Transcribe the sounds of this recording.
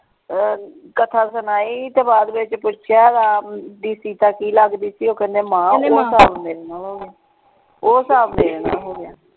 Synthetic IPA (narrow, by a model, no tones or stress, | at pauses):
kət̪ʰaːsənaːiːt̪eːbaːd̪bɪt͡ʃpʊt͡ʃʰjaːd̪aːdiːsiːt̪aːkiːləɡd̪iːsiːoːkɛ̃ːnd̪eːmãːeːoːsaːbmeːɾeːnaːlɦoːɡaː | oːsaːbmeːɾeːna̰ːlɦoːɡjaː